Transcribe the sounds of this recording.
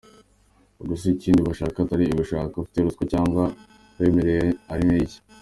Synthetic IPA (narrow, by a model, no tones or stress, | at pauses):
uɡusiciːndiβaʃaːkataɾiːβiʃaːkaufi̥teɾuskocaːŋɡwa | βe̞ːmeɾejeaɾimeːɟḁ